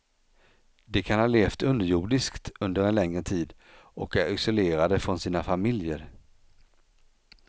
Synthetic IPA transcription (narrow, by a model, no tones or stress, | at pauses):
d̪ɛkʰanhɑːleːft̪ɵnd̪əjuːɖɪskt̪ɵnd̪əɾɛnlɛŋɾət̪ʰiːd̪ | ʔɔkæɾɪsʊleːɾad̪əfɾɔnsiːnafamɪljəɾ